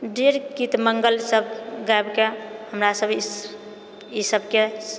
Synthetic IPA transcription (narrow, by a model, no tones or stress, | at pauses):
ɖeɾkit̪məŋɡəlsəbʱɡaebkehəmɾasəbʱ | isəbʱke